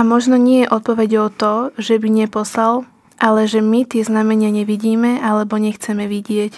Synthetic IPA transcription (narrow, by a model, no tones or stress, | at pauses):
amɔʒnɔɲɪɛjɛʔɔt̪̚pɔʋɛɟɔʊt̪ɔʒɛbiɲɛpɔslal | ʔalɛʒɛmit̪ɪɛznamɛɲɪaɲɛʋiɟiːmɛʔalɛbɔɲɛxt͡sɛmɛʋiɟɪɛc